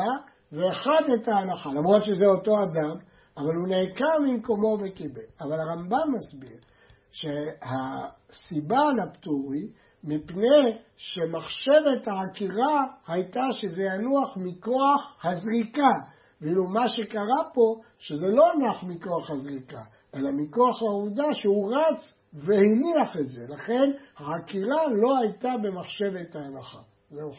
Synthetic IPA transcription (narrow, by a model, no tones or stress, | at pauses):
a | veːχad̪etaːnaχalamʁo̞d̪ʃezeo̞to̞ad̪am | avalhunekaʁmimko̞mo̞vekibeavalaʁambamːasbiʁ | ʃeha | sibanapt̪uʁi | mipnej | ʃe̞maχʃe̞ve̞thaakiʁahajtaʃezejanuaχmiko̞aχhazʁika | vilumaʃe̞kaʁapo̞ | ʃe̞ze̞lo̞nuaχmiko̞aχhazʁika | ʔe̞lamiko̞aχauvd̪aʃeuʁat͡s | vehiniaχetze̞laχe̞nhaakiʁalo̞ajt̪abe̞maχʃe̞ve̞t̪haalaχa̰ | zeu